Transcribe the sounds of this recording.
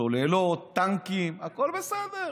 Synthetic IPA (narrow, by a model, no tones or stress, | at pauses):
olelot̪aŋkimakoɾbesaðe